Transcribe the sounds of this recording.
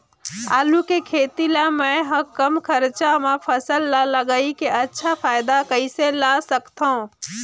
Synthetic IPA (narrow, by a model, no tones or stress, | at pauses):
aːlukekʰeːt̪ilamə̃ɦəkəmkʰəɾt͡ʃamẽpʰəsəlːaləɡaikeʔətːʃʰapʰaːjɪd̪akəiselasəkt̪aũ